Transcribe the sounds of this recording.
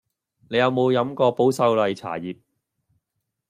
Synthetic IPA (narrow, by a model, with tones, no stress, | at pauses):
ne˨˧jɐ˨˧wmo˨˧wjɐ˨˧˥mkɔː˧po˨˥wsɐ˧wlɐ˨jt͡sʰa̰ː˨˩jiː˨p̚